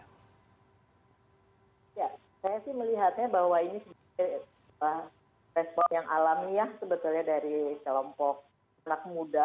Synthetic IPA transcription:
ja | sajasɪhməliɦat̪̚ɲabahwainisəb | a | pa | rɛspɔjaŋʔalamijahsəbət̪ulɲadaɾikəlɔmpɔk̚ | anak̚muda

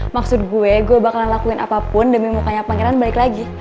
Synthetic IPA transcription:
maksʊt̪̚ɡuɛɡuɛbakalaŋlakuɪnapapʊndəmimukaɲapaŋɛɾanbalɪklaɡi

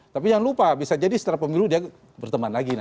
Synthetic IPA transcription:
t̪apijaŋlupabisad͡ʒadisə̥t̪əɾapəmiludia | bərt̪əmanlaɡina

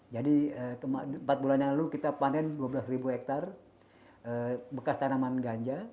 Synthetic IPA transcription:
d͡ʒadiət̪əmaəmpat̪̚bulanɲalalukit̪apanɛnduabəlasribuɛk̚t̪ar | əbəkast̪anamanɡaɲd͡ʒa

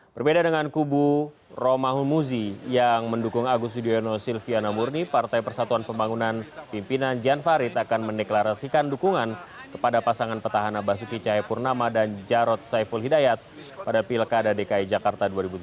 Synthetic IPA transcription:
b̥ərbedadəŋankuburomaɦumuzijaŋməndukuŋaɡus̬udienɔsilfianamurnipart̪ajpərsat̪uanpəmbaŋunanpimpinand͡ʒanfaɾit̪akanməndeklaɾasikandukuŋankə̥padapasaŋanpət̪aɦanabas̬ukit͡ʃaɦɛpurnamadand͡ʒaɾɔt̪̚sajfulɦidajat̪̚ | padapilkadadekaid͡ʒakart̪aduaɾibut̪

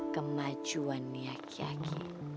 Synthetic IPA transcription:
kəmḁd͡ʒuanːiakʰia̰kʰḭ

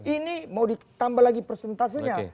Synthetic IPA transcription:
inimaudi | t̪ambalaɡipərsɛnt̪as̬aɲa

